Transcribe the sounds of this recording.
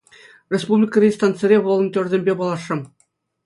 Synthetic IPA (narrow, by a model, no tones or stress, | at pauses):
rʲespublʲikə̆rʲist̪ɑnt̪t͡sɘ̆ɾʲeʋɤlˠɤ̆ntʲø̆rʲzʲemʲbʲepɑlˠɑʂːɤ̆m